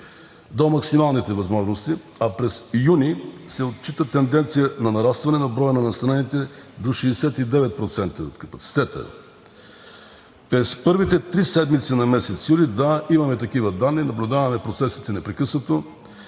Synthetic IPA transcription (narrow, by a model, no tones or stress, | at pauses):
d̪omɐksimalˠnit̪ɛvɐzmɔʒnost̪i | apɾɛsjunisɛot̪̚t͡ʃit̪ət̪ɛnd̪ɛnt̪sijənɐnɐɾast̪vɐnɛnɐbɾɔjənɐnɐst̪ɾanit̪ɛd̪oʃɛːsɛt̪id̪ɛvɛt̪̚pɾot̪sɛnt̪əo̰t̪kɐpɐt̪si̥t̪ɛt̪ə̰ | pɾɛspɤɾvit̪ɛt̪ɾisɛd̪mit̪sinɐmɛsɛt̪sjulid̪aimɐmɛt̪ɐkivəd̪anːinɐblʲʊd̪avɐmɛpɾot̪sɛsi̥t̪ɛnɛpɾɛkɤsnət̪o